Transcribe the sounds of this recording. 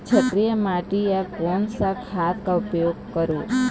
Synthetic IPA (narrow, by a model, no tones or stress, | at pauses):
t͡ʃʰət̪ɾijəmaʈiekonsakʰat̪kaupjoɡ̚kəɾũ